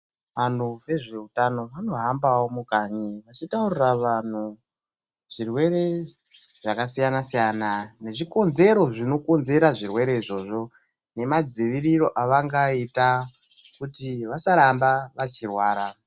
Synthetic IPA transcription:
ʋan̤uʋe̞ʐe̞utano̞ʋano̞ɦambawomukaɲiʋat͡ʃitauriraʋan̤u | ʐ̥irwe̞ɾe̞ | ʐ̥akasijanasijanane̞ʐiko̞nze̞ɾo̞ʐino̞ko̞nze̞ɾaʐirwe̞ɾe̞iʐo̞ʐo̞ | ne̞mad͡ziʋiriro̞ʔaʋaŋɡaita | kutiʋasaɾambaʋat͡ʃirwaːɾa

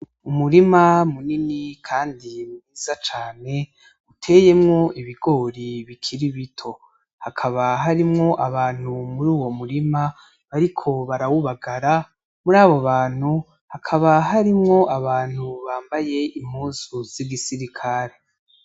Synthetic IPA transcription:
umuɾimamuninikʰaːndimuβiːz̥at͡ʃaːne̞ | utʰe̞je̞mŋo̞iβiɡo̞ːɾiβikʰiɾiβitʰo̞ | hakʰaβaɦaɾimŋo̞ʔaβaːn̥humuɾuːwo̞muɾima | βaɾikʰo̞βaɾawuβaɡaɾa | muɾaːβoβaːn̥hu | hakʰaβaɦaɾimŋo̞ʔaβaːn̥huβaːmbaje̞im̥huːzuz̥iɡisiɾikʰaɾe̞

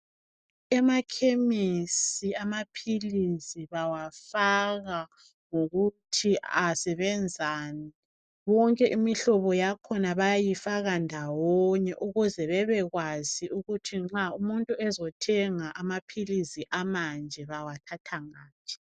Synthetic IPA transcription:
ɛmakʰemisiamapʰilisiβawafaɣa | ŋoɣutʰiʔasɛβɛnd͡zʱaːni | βɔŋkʼɛʔimiɬɔβɔjakʰɔnaβajajifaɣandʱawɔɲɛʔuɣuzɛβɛβɛɣwaziuɣutʰiŋ͡ǁaumuntʼuɛzɔtʰɛŋaʔamapʰilisiʔamand͡ʒʱɛβawatʰatʰaŋaːpʰi̥

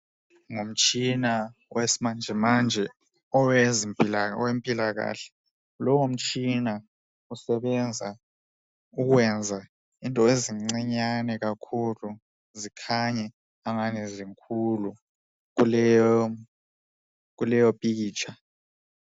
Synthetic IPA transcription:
ŋom̩t͡ʃʼinawesmand͡ʒʱɛmand͡ʒʱɛ | ɔwezilɔ̰wempʼilaɣ̬a̰ːɬɛ̥ | lɔwom̩t͡ʃʼina | usɛɓɛnd͡zʱa | uk̬wɛnd͡zʱa | intʼɔeziŋ͡ǀiɲanɛk̬akʰulu | zikʰaɲɛ | aŋanɛziŋkʰulu | k̬ulɛɔ | k̬ulɛjɔpʼik̬iːt͡ʃʰa

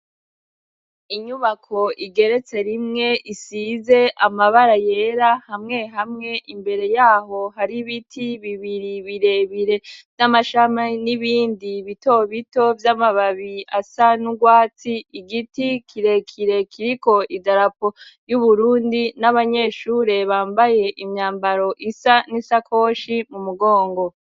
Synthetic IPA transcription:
iɲuβakʰo̞ʔiɡe̞ɾe̞t͡se̞ɾimŋe̞ʔisiːze̞ʔamaβaɾaje̞ɾahamŋe̞ɦamŋe̞ʔimbe̞ɾe̞jaːɦo̞ɦaɾiβitʰiβiβiɾiβiɾe̞βiɾe̞vnamaʃamaniβiːndiβito̞βito̞vjamaβaβiasanuɡwaːt͡siiɡitikʰiɾe̞kʰiɾe̞kʰiɾiko̞ʔidaɾapo̞juβuɾuːndinaβaɲe̞ːʃuːɾe̞βaːmbaje̞ʔimɲaːmbaɾo̞ʔisanisakʰo̞ːʃimumuɡo̞ːŋɡo̞

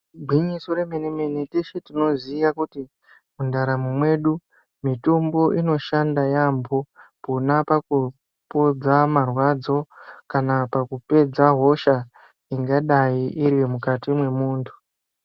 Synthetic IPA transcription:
bʱwiɲiso̞ɾe̞meneme̞neteʃetino̞zijakuti | mundaɾamumwe̞ɗu | mitumbo̞ʔino̞ʃandajambʱo̞ponapaku | po̞d͡zamarwad͡zo̞kanapakupe̞d͡zaɦo̞ʃa | iŋɡaɗajiʔiɾwemukatimwe̞muːntʰu̥

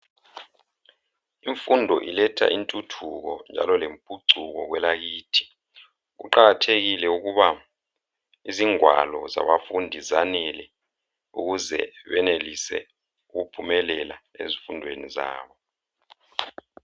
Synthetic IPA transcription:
iɱfundʱɔʔilɛtʰa̰intʼutʰuɣɔnd͡ʒʱa̰lɔlempʼuǀʱuɣɔɣwɛlaɣiːtʰi̥ | ɣṵǃaɣatʰeɣilɛuɣuβa | iziŋwa̰lɔza̰βafundʱizanɛlɛ | ṵɣuzɛ̰βɛnelisɛ̰ | uɣupʰumɛlɛlaḛzifundʱweniza̰ːβɔ

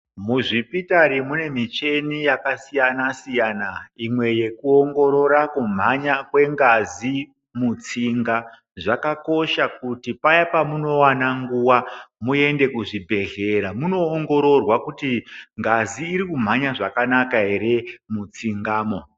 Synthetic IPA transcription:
muʐipitaɾimune̞mit͡ʃe̞nijakasijanasijaːnaimwe̞je̞kuoŋɡo̞ɾo̞ɾakum̤aɲakwe̞ŋɡazi | mut͡siŋɡa | ʐakako̞ʃak̚utipajapamuno̞wanaŋɡuwamue̞nde̞kuʐibʱe̞ɮeɾamuno̞ːŋɡo̞ɾo̞rwakutiŋɡaziːɾikum̤aɲaʐakanakaɦe̞ɾe̞mut͡siŋɡaːmo

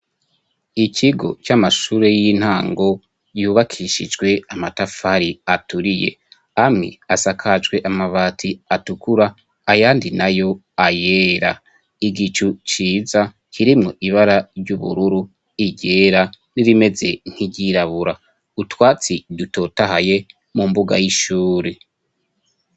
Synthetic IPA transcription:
icʰiɡo̞̰t͡ʃamaʃuːɾe̞jin̥haːŋɡo̞ | juːβakʰiʃid͡ʒɡwe̞amatafaɾiatuɾije̞̰ | amŋḭasakʰad͡ʒɡwe̞ʔamaβaːtʰiatukuɾaː | jaːndinajo̞ | aje̞ːɾa̰ | iɡit͡ʃut͡ʃiːza | kiɾimŋo̞ʔiβaɾaɾɟuβṵɾuɾu | iɟe̞ːɾa | niɾime̞ze̞ŋ̥hiɟiɾaβuɾa | utwaːt͡sidutʰo̞ːtaɦaje̞ | mumbuɡa̰jiʃuːɾe

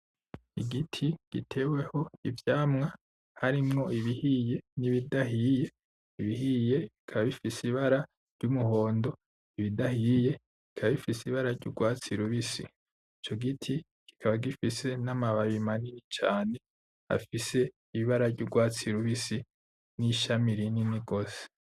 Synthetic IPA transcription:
iɡitʰiɡ̥itʰe̞weho̞ivjaːmŋa | haɾimŋo̞iβihiːje̞niβidaɦiːje̞ | iβihiːje̞ikʰaβaβifisiβaɾa | ɾɟ̥umuho̞ːndo̞ | iβidahije̞ | kikʰaβaβifisiβaɾaɾɟṵɡwaːt͡siɾuβisḭ | it͡ʃo̞ɡitʰi | ki̥kʰaβaɡifise̞namaβaβimaniɾit͡ʃaːne̞ | a̰fise̞ | iβiβaɾavɟuɡwaːt͡siɾuβisi | niʃamiɾininiɡo̞se̥

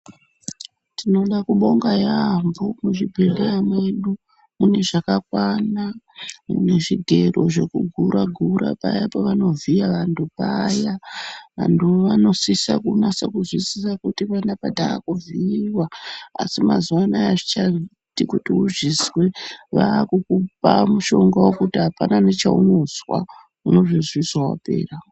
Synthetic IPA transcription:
tino̞ɗakuɓo̞ŋɡajambomuʐibʱe̞leamwe̞ɗu | mune̞ʐakakwana | mṵne̞ʐiɡʱe̞ro̞ʐe̞kuɡʱuɾaɡʱuɾa̰pa̰japoʋano̞vʱiaʋantupajaʋa̰ntʰuʋano̞sisakunasakuzwisisakutipandapadʱaːkuviiwaa̰simazuwanajaʐit͡ʃai | tikutiuʐisweʋaːkukupamuʃo̞ŋɡawo̞kutiɦapananet͡ʃauno̞zwa̰ | uno̞ʐizwiswawa̰pe̞̰ːra

